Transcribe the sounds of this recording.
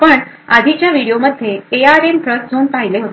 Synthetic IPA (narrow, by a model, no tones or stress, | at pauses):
pəɳad̪ʱit͡ɕjaʋiɽijoməd̪ʱjeeaɾempɾəsd͡zʱoːnpaɦjleɦot̪